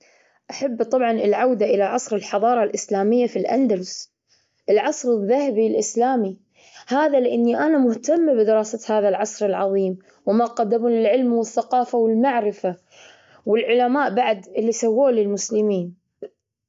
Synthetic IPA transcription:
ʔaħabːt̪ˤɑbʕɑnɪlʕawd̪aʔɪlaʕɑsˤɾɪlħɑðˤɑːɾˤɑlʔɪslaːmɪjːafilʔa̰nd̪alɪs | ʔɪlʕɑsˤɾɪðːahabilʔɪslaːmi | haːðalɪʔanːiʔanamʊht̪amːabɪd̪ɪɾɑːsat̪haːðalʕɑsˤɾɪlʕɑðˤiːm | wɪmaqɑd̪ːamuːnlɪlʕɪlmwɪθːaqɑːfawɪlmaʕɾɪfa | wɪlʕʊlamaːʔbaʕd̪ɪlːisawːoːlɪlmʊslɪmiːn

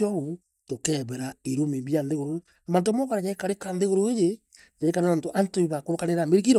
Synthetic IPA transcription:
ɔɣo | tokɛβɛɾaiɾomeβjanðeɣoɾo | amant̬omɔkaɾajaekaɾekanðeɣoɾoeje | jaekanantoʔantoiβakoɾokaneɾameɾikiɾɔ

